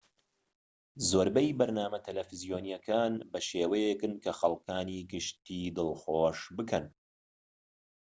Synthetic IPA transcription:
zoːɾbɐjbɐɾnaːmɐt̪ʰɐlɐfɨzijoːnijɐkʰaːnbɐʃeːwɐjekɨnkʰɐxɐlˠkʰaːniːɡɨʃt̪iːd̪ɨlˠxoːʃbɨkʰɐn

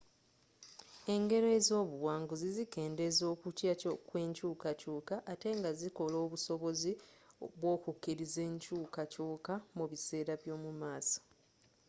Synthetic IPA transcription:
e̞ŋɡe̞ɾezo̞ːβuwaːŋɡuzizike̞ːnde̞zo̞ːkucjakwe̞ɲcuːkacuːkaʔːte̞ŋɡaziko̞lo̞ːβuso̞βo̞ziβwo̞ːkukːiɾize̞ːɲcuːkacuːkamuβise̞ːɾaβjo̞ːmumaːsḁ

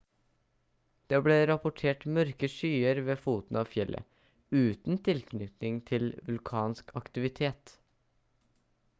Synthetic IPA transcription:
d̪̥eːbleːɾɑpʊʈʰeːʈmœɾkəʂyːəɾʋeːfuːt̪n̩ɑːfjɛlʔə̰ | ʉːt̪n̩t̪ʰɪlknʏt̪nɪŋt̪ʰɪlʋʉlkʰɑːnskʰɑkt̪ɪʋɪt̪ʰeːt̪

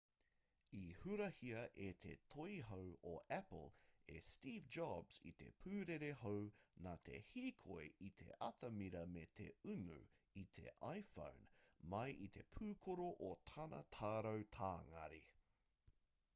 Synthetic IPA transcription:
ihʉɾɐhiɐʔet̪ʰet̪ʰojɦowoʔæplˠḛst̪iːvd͡ʒɑbzḭt̪e̞̰pʰʉːɾeɾehownat̪ʰe̞̰hiːkʰojʔit̪ʰe̞̰ʔɐtɐmiɾɐmet̪ʰe̞̰ʉnʉ̰ | it̪ʰe̞̰ʔajfõ̰wnmɐjʔit̪ʰe̞pʰʉːkʰoɾoʔot̪ʰɐnɐ̰t̪ʰaːɾɐwt̪ʰaːŋɐ̰ɾi

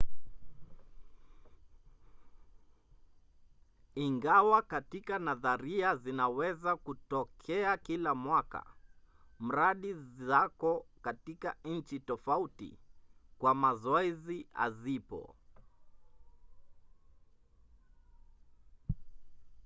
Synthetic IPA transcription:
iŋɡawakatikanaðaɾiazinawɛzakutɔkʰɛakilamwaka̰ | m̩ɾaɗiakɔkatikan̩t͡ʃitɔfautḭkwamazɔɛzia̰zipɔ̰

